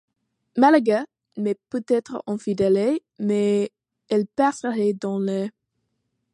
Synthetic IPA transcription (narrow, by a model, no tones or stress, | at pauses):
malaɡa | mɛpøt̪ɛt̪χə̰ʔɑ̃fid̪ɛle | me | ɛlpɛʁsəʁed̪ɑ̃lɛ